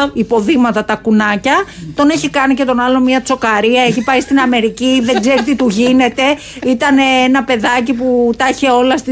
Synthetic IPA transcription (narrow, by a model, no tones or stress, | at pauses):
ipo̞ðimɐt̪ɐt̪ɐkunɐcɐt̪o̞neçikɐnice̞t̪o̞nɐlo̞mmiɐt͡so̞kɐɾiɐeçipɐist̪inɐme̞ɾiciðe̞ɡze̞ɾit̪it̪uʝinet̪e̞ | it̪ɐneenɐpe̞ðɐciput̪ɐçe̞o̞lɐst̪i